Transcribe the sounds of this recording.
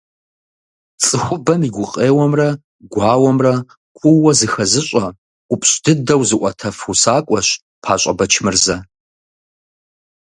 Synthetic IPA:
t͡sʼɨxʷʊbɐmiɡʷʊqʼeːwɔmrɐ | ɡʷɑːwɔmrɐ | kʷʰʼʊwɐzɨxɐzɨɕʷʼɐ | ʔʷʊpʼɕʼd̥ɨdɐwzɨʔʷʼɐtʰɐfusaːkʷʼɔɕ | pʰaːɕʼɐbɐt͡ʃʰmɨrzɐ

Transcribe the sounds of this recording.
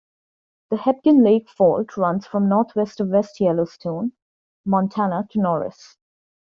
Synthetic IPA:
d̪̥əhɛp̚kə̃nleːkfɔːlʈʰɹʌ̃nz̥fɹʌ̃mnɔːɾt̪ʰwɛstəwɛstʰjɛloʊstʰõʊ̃n | mɔ̃ntʰænətʰunɔːɹɪ̰s

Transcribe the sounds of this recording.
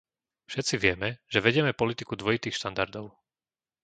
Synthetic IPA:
fʃɛt̪t͡siʋɪɛmɛʒɛʋɛɟɪɛmɛpɔlit̪ikud̪ʋɔjit̪iːxʃt̪and̪aɾd̪ɔʊ

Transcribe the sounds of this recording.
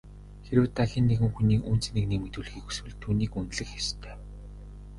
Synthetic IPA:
xeɾɘ̆wt̪ʰaxʲiːnːeɣɘ̆ŋxuniːkun̥t͡snekniːmet̪uːɮxiːku̥swɘ̆ɮt̪ʰuːniːkunt̪ɮɘ̆xest̪ʰœː

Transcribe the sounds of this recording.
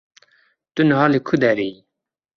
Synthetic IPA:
t̪unəɦalekʰud̪ɛɾe

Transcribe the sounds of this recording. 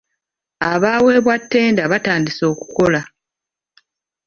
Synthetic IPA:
aβaːwe̞ːβwatːe̞ːndaβataːndiso̞ːku̥ko̞la

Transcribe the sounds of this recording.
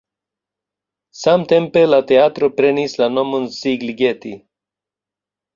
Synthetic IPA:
samt̪empelat̪eaːt̪ɾopɾenislanomunsiɡliɡet̪ḭ

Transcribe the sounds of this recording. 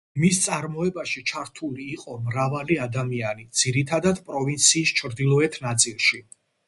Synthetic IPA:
mist̪sʼaɾmɔɛbaʃit͡ʃʰaɾt̪ʰuliːqʼɔmɾavaliad̪amianid̪z̥iɾit̪ʰad̪ad̪pʼɾɔvint̪sʰiːst͡ʃʰɾd̪ilˠɔɛt̪ʰnat̪sʼilˠʃi

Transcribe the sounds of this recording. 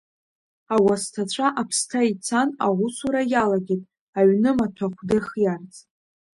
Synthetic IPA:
awastʰat͡ʃʷʰaʔapʰstʰait͡sʰanaʁʷʊsuɾajalaɡʲetʼ | aɥnɨmatʷʰaχʷʰdɨrχjart͡sʼ

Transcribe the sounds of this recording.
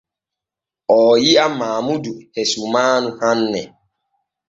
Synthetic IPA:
ɔjiamaːmuduhesumanʊhan̩nɛ

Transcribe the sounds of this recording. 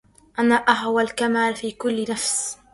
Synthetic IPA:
ʔanaːʔaɦwalkamaːlfiːkʊlːɪnafs

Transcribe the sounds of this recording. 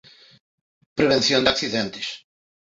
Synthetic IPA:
pɾeβẽn̟θjõnd̪akθiðẽnt̪ɪ̥s

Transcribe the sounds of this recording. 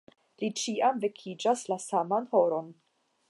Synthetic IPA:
lit͡ʃiʔamve̞kʰid͡ʒaslasamanho̞ɾo̞n

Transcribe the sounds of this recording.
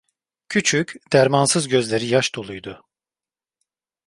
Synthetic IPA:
cʰyt͡ʃʰycʲd̪̥æɾmansɯzɟø̞zlʲe̞ɾijaʃd̪o̞lˠujd̪ʊ

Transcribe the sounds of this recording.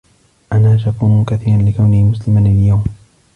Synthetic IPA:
ʔanaːʃakuːnʊkaθiːɾanlɪkawnɪhmʊslɪmanɪljawm

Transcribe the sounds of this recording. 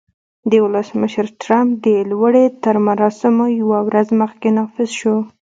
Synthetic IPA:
d̪əwʊləsməʃəɾʈɾamp̚d̪əlwəɽet̪əɾmaɾɑsɪmojawawɾazməxkenɑfɪzʃo

